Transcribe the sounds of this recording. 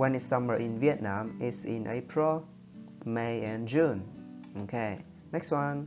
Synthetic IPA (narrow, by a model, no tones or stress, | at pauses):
wɛ̃nɪtsãməɹʔĩnviət̚nãmɪsḭ̃nʔḛpʰɹil | meɛ̃nd͡ʒũnokʰe | nɛkstwãn